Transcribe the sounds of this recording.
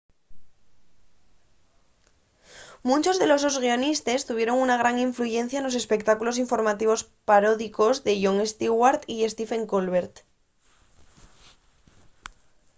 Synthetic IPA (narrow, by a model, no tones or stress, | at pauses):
mũnt͡ʃo̞zðe̞lo̞sozɣio̞nist̪est̪uβ̞je̞ɾo̞ŋunaɣ̞ɾaŋiɱfluʝe̞n̟θjaenlo̞se̞spe̞kt̪akulo̞siɱfo̞ɾmat̪iβ̞o̞s | paɾo̞ðiko̞zðe̞ʝoŋest̪iɣwaɾt̪iest̪ife̞ŋkolβeɾt̪